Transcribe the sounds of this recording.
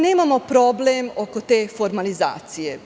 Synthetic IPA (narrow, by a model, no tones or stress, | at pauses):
neːmamo̞pɾo̞blemo̞kot̪e̞ːfo̞ɾmaliza̰ːt̪sije